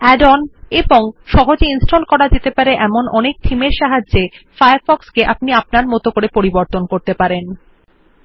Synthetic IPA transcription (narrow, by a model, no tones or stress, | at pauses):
ɛɖɔneboŋʃɔɦod͡ʑeinsʈʰolkɔɾad͡ʑet̪epaɾeʔɛmonɔnek̚t̪ʰimeɾʃaɦad͡ʑːd͡ʑefajaɾfɔkskeʔapniapnaɾmɔt̪okoɾepoɾiboɾt̪onkoɾt̪epaɾen